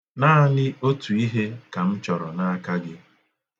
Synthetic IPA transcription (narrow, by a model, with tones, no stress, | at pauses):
naː˦a˦lɪ˦o˦tu˨i˦ɦe˦ka˨m̩˦t͡ʃɔ˨ɾɔ˨na˦a˦ka˦ɡɪ˦